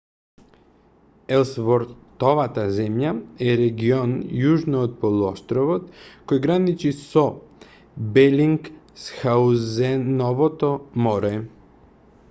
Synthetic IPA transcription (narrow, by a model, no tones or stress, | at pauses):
ɛlˠsvoɾt̪oʋat̪azɛmjaɛɾeɡionjuʒnoːt̪̚polˠuoʃt̪ɾoʋot̪kojɡɾanit͡ʃiso | bɛliŋksxauzɛnovot̪omoɾɛ